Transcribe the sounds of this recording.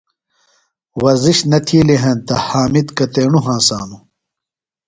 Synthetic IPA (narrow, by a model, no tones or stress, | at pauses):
wɐziɕnɐt̪ʰiːliɦɐ̃nt̪ɐhaːmid̪kɐt̪eːɳuɦãːsa̰ːnu